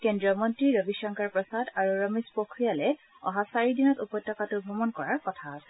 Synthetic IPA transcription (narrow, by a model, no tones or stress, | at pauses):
kendɹiɔmɔntɹiɹɔbiʃɔŋkaɹpɹɔsadaɹuɹɔmispokʰɹijalɛ | ɔ̰ɦasaɹidinɔtupɔjtːɔkatʊbʱɔmɔnkɔɹaɹkɔtʰaːsɛ